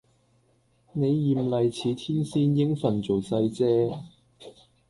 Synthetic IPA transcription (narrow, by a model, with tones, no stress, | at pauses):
ne˨˧jːiː˨mlɐ˨jt͡sʰiː˨˧t̪ʰiː˥nsiː˥njɪ˥ŋfɐ˨˩nt͡so˨wsɐ˧jt͡sɛː˥